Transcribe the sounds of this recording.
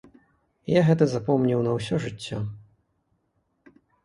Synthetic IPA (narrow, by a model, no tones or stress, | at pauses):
jaɣɛt̪ɐzapɔmnʲiwnɐws̬ʲɔʐɨt͡sʲːɔ